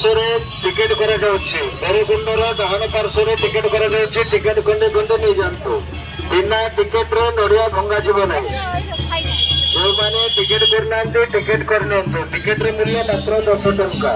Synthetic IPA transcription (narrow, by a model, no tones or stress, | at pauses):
t̪ɔɾe | ʈikeʈkɔɾad͡ʒawt͡ʃʰid̪eɾebʱunɖɔɾɔɡaɦɔɽ̃ɔkaɾsɔɾeʈikeʈkɔɾad͡ʒawt͡ʃʰiʈikeʈɡɔɳɖiɡɔɳɖenid͡ʒant̪u | bʱinːaʈikeʈɾenoɽijaɡʱɔŋɡad͡ʒʰibɔnaĩ | d͡ʒewmaneʈikeʈbʱiɾnant̪iʈikeʈkɔɾinɔnt̪uʈikeʈɾemiɾiemat̪ɾɔd̪ɔkʈɔʈɔɾka